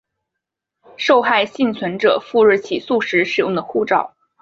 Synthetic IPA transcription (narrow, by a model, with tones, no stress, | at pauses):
ʂo˥˧ʊxa˥˧ɪɕi˥˩nt͡sʰwə˧˥nʈ͡ʂɤ̰˨˩fu˥˧ɻɻ̩˥˩t͡ɕʰi˨˩su˥˩ʂɻ̩˧˥ʂɻ̩˨˩jʊ̰˥˩ŋd̪ə˩xu˥˩ʈ͡ʂɑ˨˩˦ʊ